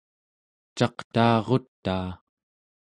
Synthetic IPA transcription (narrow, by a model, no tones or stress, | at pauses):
t͡ʃɑqt̪aːʁo̞t̪ːaː